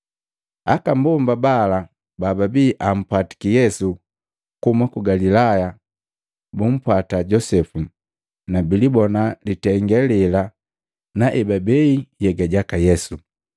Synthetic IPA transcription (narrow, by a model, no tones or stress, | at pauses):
akambumbabala | bababiʔam̩pwati̥kijɛsu | kumakuɡalilaja | bum̩pwataɟɔsɛfu | nabilibɔnalitɛŋɡɛlɛla | naʔɛbabɛijɛɡaɟakajɛsu